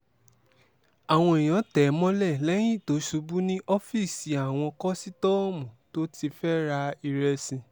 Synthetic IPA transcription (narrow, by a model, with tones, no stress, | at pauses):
a˨w̃ɔ̃˧i˨j̃ã˨˦tɛ˨˦mɔ̃˦lɛ˦˨lɛ˨˦ñĩ˦˨to˨˦ʃu˧˦bu˦nĩ˦ʔɔ˦fi˦˨si˨˦a˨w̃ɔ̃˧kɔ˦si˦tɔ˦˨mũ˨to˦ti˧fɛ˦ɾa˧i˧ɾɛ˧sĩ˧